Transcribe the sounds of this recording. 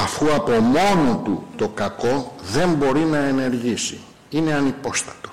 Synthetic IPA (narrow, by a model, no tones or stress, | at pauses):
ɐfuɐpo̞mo̞not̪ut̪o̞kɐko̞ðe̞mbo̞ɾinɐe̞ne̞ɾʝisi | ine̞ɐnipo̞st̪ɐ̥t̪o̞̥